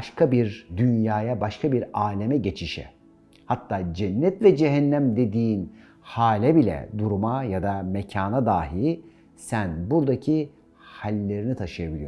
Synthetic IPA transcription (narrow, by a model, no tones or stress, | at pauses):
bʃkabiɾd̪ynjaːjabaʃkʰabiɾaːlʲemɛɟe̞t͡ʃʰiʃɛ̰ | hat̪ʰːaːd͡ʒɛnːɛt̪lʲɛd͡ʒeɦɛnːæmd̪e̞d̪iːn | haːlʲɛbilʲɛ̰d̪uɾumajad̪amecʰaːnad̪aːɦi | sænbuɾd̪acʰi | halʲːe̞ɾinit̪ʰaʃɯjabilʲijo